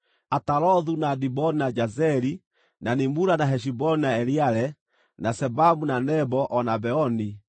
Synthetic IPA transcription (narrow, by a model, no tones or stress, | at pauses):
ataɾɔðunadibɔninad͡ʒazɛɾi | nanimuɾanaɦɛʃ̬ibɔninaɛɾiaɾɛ | nasɛbamunanɛbɔʔɔnabɛɔni